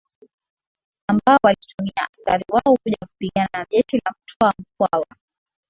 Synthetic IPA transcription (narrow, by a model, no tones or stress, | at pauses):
ambaɔwalitumiaaskaɾiwaɔkuʄaku̥piɠananaʄɛtilam̩tʰɔam̩k̚wawa